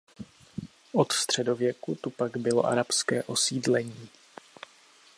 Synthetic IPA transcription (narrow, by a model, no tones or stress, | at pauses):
ʔo̞t̪fst̪r̝̥ɛdo̞vjɛkut̪upaɡbɪlo̞̰ʔa̰ɾapskɛːʔo̞siːdlɛɲiː